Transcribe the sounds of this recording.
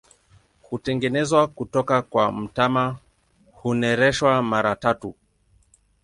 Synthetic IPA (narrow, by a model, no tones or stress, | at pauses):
hutɛŋɡɛnɛzwakutɔkakwam̩tama | hunɛɾɛʃwamaɾatatu